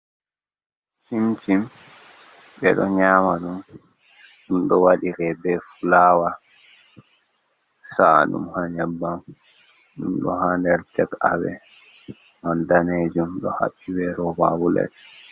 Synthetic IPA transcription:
himt͡ʃim | ɓɛ̰ɗɔɲaːmaɗum | ɗumɗɔwaɗiɾɛbɛfulaːwa | sa̰ɗṵmhaɲabːam | ɗumɗɔ̰handɛɾtɛka̰wɛ̰ | mandaned͡ʒumɗɔha̰ɓːiwɛɾɔba̰bulɛ̰t

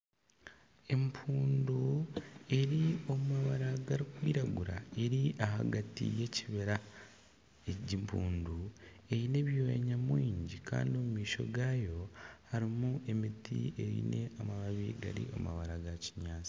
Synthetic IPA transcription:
e̞mpʰuːndue̞ɾio̞mumaβaɾaɡaɾikwiːɾaɡuɾa̰e̞ɾiʔaɦa̰ɡatḭje̞ciβeɾa | eɟimpʰuːndu | e̞ine̞ːβjoːj̰ɲamwiːɲɟika̰ːndio̞mumiːʃo̞̰ɡaːjo̞haɾimuʔe̞mitḭe̞ɾḭneamaβaβiɡa̰ɾḭo̰ma̰βaɾaɡaci̥ɲaːt͡si̥

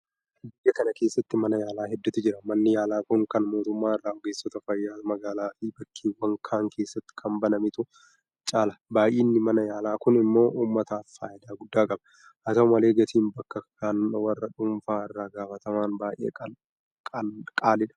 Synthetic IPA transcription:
ɐdɪjːɐkɐnɐke̞ːsːɐt̪ːɪmɐnɐjaːlaːɦɛd̪ːʊt̪ːʊd͡ʒɪɾɐmɐnːɪjaːlaːkʊŋkɐnmo̞ːt̪ʊmːaːɪrːaːɡeːsːɔt̪ɐfɐjːaːt̪ɐmɐɡaːlaːfiːbɐkʰːiːnwɐŋkʰaːŋke̞ːsːɐt̪ːɪ̥kʰɐmbɐnɐmɪt̪ʊ | t͡ʃʼaːlɐbaːjʔiːnːɪmɐnɐjaːlaːkʊnɪmːo̞ːʔuːmːɐt̪afːa̰ːjɪd̪aːɡʊd̪ːaːkʼɐbɐ | hɐt̪ɐʊmɐleːɡɐt̪ʰiːnbɐkːɐkaːnʊɐwɐrːɐᶑʊɱfaːɪrːaːɡaːfɐt̪ɐmaːnbaːʔḛː | kʼaːlɪᶑɐ̥

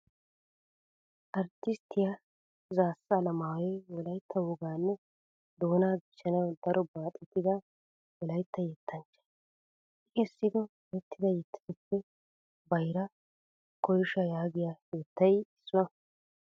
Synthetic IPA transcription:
ʔɐɾt̪ːɪst̪ːɪja | zaːsːɐːlɐmaːwɛwɔlɐjt̪ʰːɐwʊɡaːnːɛ | d̪o̞ːnaːɡɪʃɐnɐwd̪ɐɾʔɔbaːt̪ʼɛt̪ːɪd̪ɐ | wɔlɐjt̪ːɐjɛt̪ʰːɐnt͡ʃːɐ̥ | ɪkesːɪd̪ɔ | jɛt̪ːɪd̪ɐjɛt̪ːɪ̥zʊpːɛ | bɐjɾɐ | kɔjʃɐjaːɡɪjajɛːt̪ːɐjɪsːʊɐ

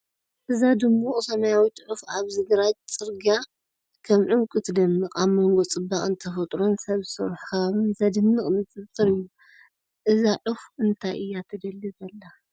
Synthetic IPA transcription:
ʔɨzad̪ɨmːuχʼɨsɐmajawit̪ʰʕufaβzɨɡɾad͡ʒt͡sʼɨɾɡa | kʰɐmʕɨmkʼɨt̪ʰd̪ɐmːɨkʼaβmoŋɡo̞t͡sʼɨbːaχʼɨnt̪ʰɐfɐt̪ʼɾonsɐβsɨɾħkʰɐβaβɨnzɐd̪ɨnːɨχʼmɨt͡sʼɨβt͡s̪ʼɨɾɨjːu | ʔɨzaʕɨfɨnt̪ʰajʔɨjːat̪ʰɐd̪ɐlːibɐlːa

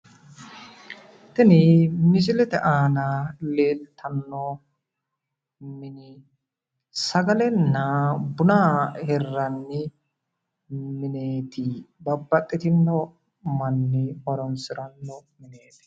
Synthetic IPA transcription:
t̪ɛnɪmɪd͡ʒɪlɛt̪ɛʔaːnaleːt̪ʰːɐnːɔ | mɪnɪ | sɐɡɐlɛnːɐbʊnaːhɛrːɐnːɪ | mɪneːt̪ɪbɐbːɐt̪ʼːɪt̪ɪnːɔ | mɐnːɪɔɾɔnsɪɾɐnːɔmɪneːt̪ɪ̥

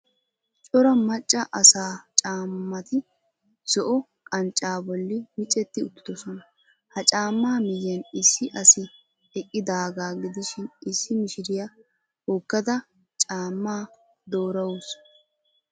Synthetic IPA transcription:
t͡ʃʼɔɾɐmɐt͡ʃʼːɐʔɐsaːt͡ʃʼaːmːɐt̪ɪ | sɔʔɔ | kʼɐnt͡ʃʼːaːbɔlːɪmɪt͡ʃʼːɛt̪ːɪʊt̪ːɪ̥d̪ɔsɔnɐ | hɐt͡ʃʼaːmːaːmɪjɛnɪsːɪʔɐsɪ | ɛkʼːɪd̪aːɡaːɡɪd̪ɪʃɪnɪsːɪmɪʃɪɾɪjɐ | hoːkːɐd̪ɐ | t͡ʃʼaːmːaː | d̪oːɾɐwʊs

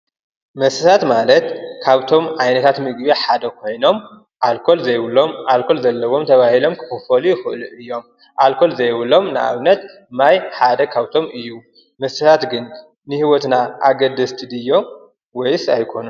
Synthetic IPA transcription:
mɐsɨsat̪malɐt̪kʰaβt̪ʰo̞mʕajnɐt̪ʰat̪mɨɡbeħad̪ɐkʰo̞jno̞m | ʔalkʰo̞lzɐjwlomʔalkʰo̞lzɐlːɐwo̞mt̪ʰɐβahilo̞mkʰɨ̥xɨfɐlujɪxɨʔɨluʔɨjːo̞m | ʔalkʰo̞lzɐjwɨlo̞mnɨʔa̰βnɐt̪ | majħad̪ɐkʰaβt̪ʰo̞mʔɨjːu | mɐsɨsʰat̪ɡɨnː | ɨhiwɔt̪naʔaɡɐd̪ɐst̪ʰid̪ɨjːo̞m | wɔjsajkʰo̞nu

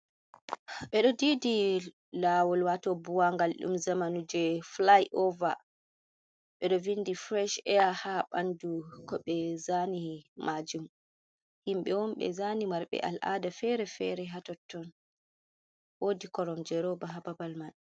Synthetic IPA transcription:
ɓɛɗɔdidi | lawɔlwatɔbuwaŋɡalɗṵmzamanud͡ʒɛflajʔɔva | ɓɛɗɔvindifɾɛʃɛjahaɓandukɔɓɛzanimʔad͡ʒum | himɓɛwɔmɓɛ̰zanimaɾɓɛ̰ʔa̰lʔa̰dafɛɾɛfɛɾɛɦatɔtːɔn | wodikɔɾɔmd͡ʒɛɾɔbaɦababalman

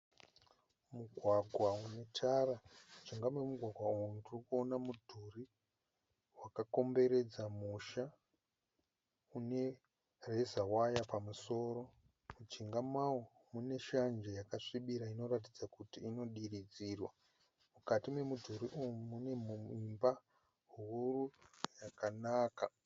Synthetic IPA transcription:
muɡʱwaɡʱwaune̞tʰaɾamud͡ʒiŋɡamwemuɡʱwaɡʱwaudurikuo̞namudʱuri | wakako̞mbe̞ɾe̞d͡zamuʃa | une̞ | re̞zawajapamuso̞ːɾo̞ | mud͡ʒiŋɡamawo | mune̞ʃand͡ʒejakaʂiɓiɾaino̞ratid͡zakutiːno̞ɗirid͡zirwa | mukatimwe̞mudʱuɾiʔuumune̞mimba | ɦuurujakanaːka

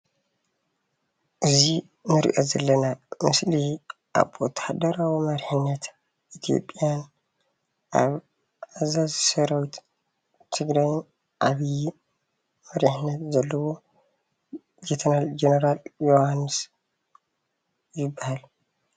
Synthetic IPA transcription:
ʔɨzi | nɨɾḭʔozɐlːɐnamɨsli | ʔa̰βɔt̪ʰːḁħad̪ɐɾawimɐɾħɨnːɐt̪ | ʔit̪ʰijo̞̰pʼːjan | ʔaβ | azazsɐɾawit̪ | t̪ʰɨɡɾajn | ʔaβij | mɐɾiħɨnːɐt̪zɐlːɐwo | d͡ʒet̪ʰɐɾald͡ʒenɐɾaljohanːɨs | jɪbːahal

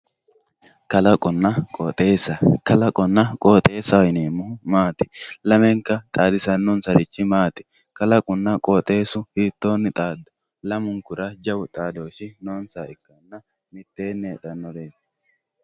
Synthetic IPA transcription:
kɐlɐkʼʊnːɐkʼɔt̪ʼeːsɐkɐlɐkʼɔnːɐkʼoːt̪ʼe̞ːsɐwɪneːmːʊhʊmaːt̪ɪ̥lɐmɛŋkɐt̪ʼaːd̪ɪsɐnːɔnsɐɾɪt͡ʃːɪmaːt̪ɪ̥ | kɐlɐkʼʊnːɐkʼoːt̪ʼe̞ːsʊhiːt̪ːo̞ːnːɪt̪ʼaːd̪ːʊ̥ | lɐmʊŋkʊɾɐd͡ʒɐwʊt̪ʼaːd̪o̞ːʃɪnoːnsaːɪkːɐnːɐ | mɪt̪ːe̞ːnːeːᶑɐnːɔd̪eːtː

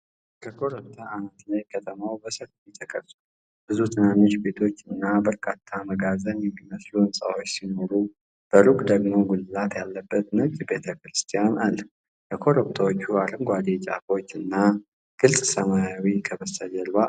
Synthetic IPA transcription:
kʰəkʰo̞ɾəp̚t̪ʰaanət̪lajkʰət̪ʰəmawbəsəɾfit̪ʰəkʼəsʼu | b̥ɨzut̪ʰɨnanːoʃbe̞t̪ʰo̞t͡ʃːɨnːabəɾkʰʼat̪ʰːaməɡazənjɛmːiməsluɨnsʼa̰wot͡ʃːsino̞ɾu | b̥əɾukʼd̪əɡmo̞ɡulɨlat̪jalːəbːət̪nɨkʼbe̞t̪ʰəkɾɨst̪ʰijanʔal | kʰəkʰo̞ɾop̚t̪ʰawot͡ʃːuaɾɨŋɡʷad̪et͡ʃʼa̰fo̞t͡ʃːɨnːa | ɡ̥ɨlsʼsəmajawikʰəβəsəd͡ʒəlβa

